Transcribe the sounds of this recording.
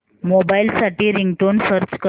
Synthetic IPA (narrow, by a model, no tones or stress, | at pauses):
mobailsaʈiːɾiŋɡʈonfəɾd͡ʑkə